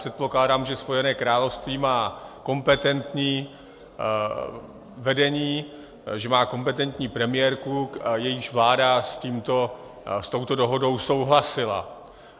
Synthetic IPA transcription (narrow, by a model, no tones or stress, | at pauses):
rɛt̪̚ploklaːdaːmʒɛspo̞jɛnɛːkɾaːlo̞fst̪viːmaːko̞mpɛt̪ɛnt̪ɲiː | vɛdɛɲiː | ʒɛmaːko̞mpɛt̪ɛnt̪ɲiːpɾɛmɪjɛɾkujɛjɪʃvlaːdasciːmt̪o̞ | st̪o̞wt̪o̞do̞ɦo̞do̞wso̞wɦlasɪla̰